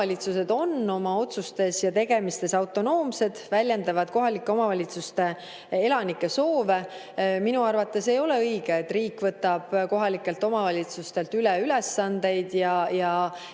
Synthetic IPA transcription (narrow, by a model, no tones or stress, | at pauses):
ɑlʲit̪suse̞d̪o̞nːo̞mɑo̞t̪sust̪e̞sjɑt̪e̞ɡ̥e̞mist̪e̞sɑwt̪ːˑo̞no̞ːmse̞d̪̥vælʲjend̪ɑvɑd̪̥ko̞ɦɑlikːˑe̞o̞mɑvɑlʲit̪sust̪e̞ | e̞lɑnikˑːe̞so̞ːve̞ | minuɑrvɑt̪ːˑe̞se̞jo̞le̞ɤjɡ̥eet̪ːriːkvɤt̪ːˑɑb̥ko̞ɦɑlikːˑe̞lt̪o̞mɑvɑlʲit̪sust̪e̞lt̪ylɛylesːɑnd̪̥e̞jd̪̥jɑjɑ